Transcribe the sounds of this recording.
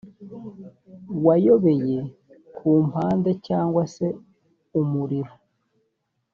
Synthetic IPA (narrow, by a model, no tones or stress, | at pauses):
wajo̞βe̞je̞ | kʰuːmpaːnde̞caːŋɡwase̞ | umuɾiɾo